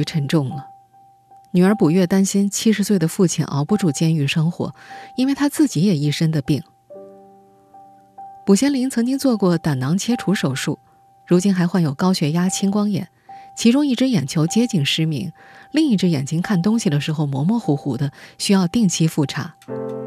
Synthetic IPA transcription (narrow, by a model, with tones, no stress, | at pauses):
ʈ͡ʂʰə˧˥nʈ͡ʂʊ˥˩ŋlə˩ | ny˨˩ə˞˧˥pu˨˩ɥɛ˥˩t̪a˥nɕi˥nt͡ɕʰi˥ʂ̬ɻ̩˧swe˥˩ɪd̪ə˩fu˥˩t͡ɕʰḭ˨˩nʔɑ̰˧˥ʊpu˥˧ʈ͡ʂu˥˩t͡ɕjɛ˥ny˥˩ʂɤ˥ŋxwɔ̰˧˥i˥nwe˥˩ɪt̪ʰa˥t͡sɹ̩˥˩t͡ɕi˧˥jɛ˨˩i˥˩ʂə˥nd̪ə˨pi˥˩ŋ | pu˨˩ɕjɛ˥nli˧˥ŋt͡sʰɤ˧˥ŋt͡ɕi˥ŋt͡swɔ˥˧kwɔ˥˩t̪a˨˩nɑ˧˥ŋt͡ɕʰjɛ˥ʈ͡ʂʰu˧˥ʂo˨˩ʊʂu˥˩ | ɻu˧˥t͡ɕi˥nxa˧˥ɪxwa˥˩njo˨˩ʊkɑ˥ʊɕɥɛ˧˥ja˥t͡ɕʰi˥ŋkwɑ˥ŋjɛ̰˨˩˦nt͡ɕʰi˧˥ʈ͡ʂʊ˥ŋi˥˩ʈ͡ʂɻ̩˥jɛ˨˩nt͡ɕʰjo˧˥ʊt͡ɕjɛ˥t͡ɕi˥˩ŋʂɻ̩˥mḭ˧˥ŋli˥˧ŋi˥˩ʈ͡ʂɻ̩˥jɛ̰˨˩nt͡ɕi˥ŋkʰa˥˩nt̪ʊ˥ŋɕi˨˩d̪ə˩ʂɻ̩˧˥xo˥˧ʊmwɔ̰˧˥mwɔ˥˩xu˧˥xu˨˥˩d̪ə˧ɕy˥jɑ˥˧ʊt̪i˥˧ŋt͡ɕʰi˥fu˥˩ʈ͡ʂʰa̰˧˥